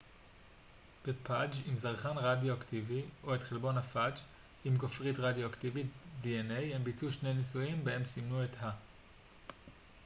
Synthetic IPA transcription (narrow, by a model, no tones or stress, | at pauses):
b̥epʰad͡ʒimzaʁχanʁadjoaktivio̞e̞tχelbo̞nhafad͡ʒ | imɡofʁitʁadjoaktivitdienejhembit͡suʃnejnisuimbee̞msimnuetha